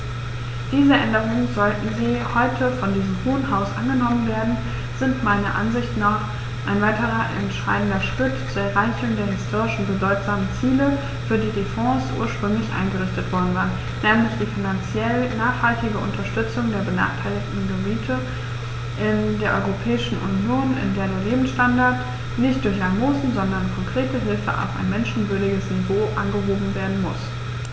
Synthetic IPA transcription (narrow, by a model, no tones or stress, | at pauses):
d̥iːzəʔɛndəʁ̞ʊŋənzɔltn̩ziːhɔʏtʰəfɔndiːzəmhuːənɦaʊsʔa̰nɡənɔmənveːɐdn̩ | z̥ɪntmaɪnɐʔa̰nzɪçtnaːχ | ʔaɪnvaɪtəʁɐʔɛ̰ntʃa̰ɪdn̩dɐʃtʏkt͡suːɐɛɐʁaɪçʊŋdeːɐɦɪstʰoːʁɪʃn̩bədɔʏtz̥aːmənt͡siːlə | fyːɐdiːdefɔ̃ːsʔṵːɐʃpʁ̥ʏŋlɪçʔa̰ɪnɡəʁʏçtətv̥ɔɐdn̩vaːɐn | nɛːmlɪçd̥iːfinant͡sjɛlnaːχhaltɪɡəʊ̰ntɐʃtʏt͡sʊŋdeːɐbəna̰ːχtʰaɪlɪçtn̩ɡəbiːtʰə | ʔɪndeːɐʔɔʏʁopʰɛːɪʃn̩ʔṵnjoːnɪ̰ndeːɐdeːɐleːbm̩sʃtandaɐt | nɪçt̚d̥ʊɐçamoːsn̩zɔndɐnkʰɔŋkʁ̥eːtəɦɪlfə̰ʔa̰ʊfa̰ɪnmɛnʃn̩vʏɐdɪɡəsnivoːʔa̰nɡəɦoːbm̩veːɐdn̩mʊs